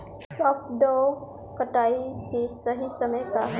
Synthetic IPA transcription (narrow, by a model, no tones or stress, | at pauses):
sɔːpʈɖɔː | kɐʈaːikesɐɦisɐməjkaɦ